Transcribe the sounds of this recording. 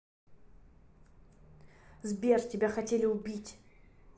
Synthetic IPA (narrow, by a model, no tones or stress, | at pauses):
zbʲe̞rtʲɪbʲaxɐtʲelʲɪʊbʲitʲ